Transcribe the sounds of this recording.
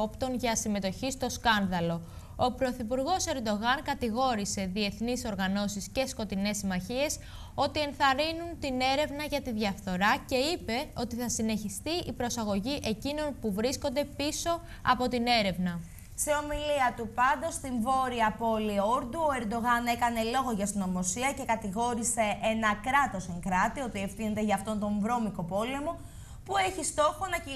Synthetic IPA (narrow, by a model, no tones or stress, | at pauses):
opt̪o̞nʝɐsime̞t̪o̞çist̪o̞skɐnðɐlo̞ | opɾo̞θipuɾɣo̞se̞ɾd̪o̞ɣɐŋkɐt̪iɣo̞ɾise̞ðie̞θniso̞ɾɣɐno̞sisce̞sko̞t̪ine̞sːimɐçie̞s | o̞t̪ie̞nθɐɾinunt̪ine̞ɾe̞vnɐʝɐt̪iðʝɐfθo̞ɾɐce̞ipe̞o̞t̪iθɐsineçist̪iʔipɾo̞sɐɣo̞ʝiʔe̞cino̞npuvɾisko̞nd̪e̞piso̞ | ɐ̰po̞t̪ine̞ɾe̞vnɐ | se̞o̞miliɐt̪upɐnd̪o̞st̪iɱvo̞ɾiɐpo̞lioɾd̪uoe̞ɾd̪o̞ɣɐne̞kɐne̞lo̞ɣo̞ʝɐst̪ino̞mo̞siɐce̞kɐt̪iɣo̞ɾise̞ʔenɐkɾɐt̪o̞seŋkɾɐt̪io̞t̪iefθinet̪eʝɐːft̪o̞nt̪o̞ɱvɾo̞miko̞po̞le̞mo̞ | pue̞çist̪o̞xo̞nɐ